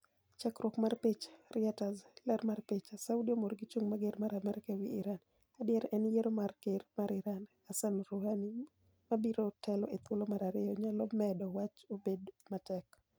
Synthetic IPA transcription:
t͡ʃakɾwɔkmarpit͡ʃrɪɛtazlɛɾmarpit͡ʃasaʊdiomorɡɪt͡ʃuŋmaɡeɾmaɾamɛɾkawiɪɾan | adɪjɛɾɛnjeɾomarkeɾmaɾɪɾan | asanɾohani | mabiɾotʰɛlɔʔet̪wolomaɾaɾɪjɔɲalɔmɛdɔwat͡ʃobedmatɛk

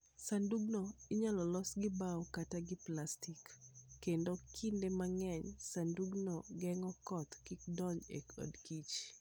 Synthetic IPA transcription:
sanduɡnoiɲalɔlɔsɡɪbawkataɡɪplastikːendokʰindemaŋɛɲsanduɡnɔɡɛŋɔkɔt̪kikdɔɲḛko̰dkit͡ʃ

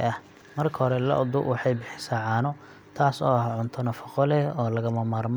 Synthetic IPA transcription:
ɐh | mɐrkʰɐhɔɾɛlɐ̰ʔʊd̪ʊwɑħɑjbɪħɪ̥saːʕɑːnɔ | t̪ʰaːsɔːɦɐʕʊnt̪ʰɔnɐfɐqɔlɛɔːlɐɣɐmɐmaːrm

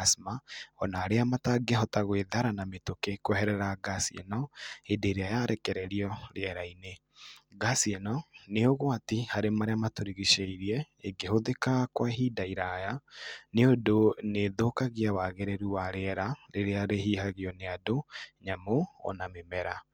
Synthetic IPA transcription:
asmaɔnaːɾeamataɡeɦɔtaɣweðaɾanametokekwɛhɛɾɛɾaɡasiɛnɔedeɾeajaɾɛkɛɾɛɾiɔɾeɛɾaine | ɡasiɛnɔneoɣwatihaɾemaɾeamatoɾiɣiɕeiɾiɛ | eɡehoðekakwaɦiːdaiɾajaneodoneðokaɣiawaɣeɾeɾuwaɾeɛɾaɾeɾeaɾeɦiːhaɣiɔneadoɲamoɔ̰namemɛɾa

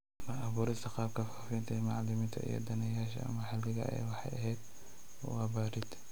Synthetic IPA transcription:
mɐʔaβuːɾɪst̪ʰɐqɑːb̚kʰɐfaːfɪnt̪ʰɐmɑʕlɪmɪnt̪ʰɐ̰ʔḭjɔ̰d̪ɐnɛjaːʃɐ̰ɐ̰mɐħɪlɪɣɐ̰ʔɛ̰jwɑħɑjʔɐɦɛd̪ | ɔ̰wabaːɾɪd̪

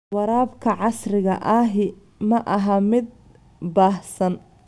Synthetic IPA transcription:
wɑɾaːbkʰɐʕɑsrɪɣɐʔɐɦɪ | mɐʔɐɦɐmɪd̪̚ | baːhsɐn

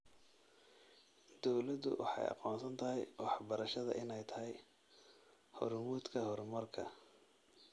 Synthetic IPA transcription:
d̪̥ɔwlɐd̪ʊ̰wɑ̰ħɑ̰jɑ̰qɔːnsɐnt̪ʰɐɦɛjwɑħbɐɾɐʃɐðɐ̰ʔɪnɛjt̪ʰɐɦɛj | hɔrmuːd̪kʰɐhɔrmɐrkʰɐ̰

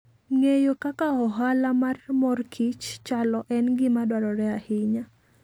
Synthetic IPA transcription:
ŋejokakaɔɦalamarmɔrkʰit͡ʃt͡ʃalɔʔɛnɡɪmadwaɾɔɾɛahɪɲa

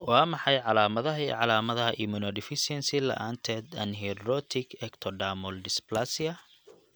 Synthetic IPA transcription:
wɑːmɑħɑjʕɑlaːmɐðɐɦɐiʕɑlaːmɐðɐɦɐʔimʊnɔɖɪfɪsɛnsɪlɐ̰ʔaːnt̪ʰɛːd̪ɐ̰nɦɛɾɔt̪ʰɪkʰɛkt̪ʰɔɖaːmɔlɖɪsplasɪɐ

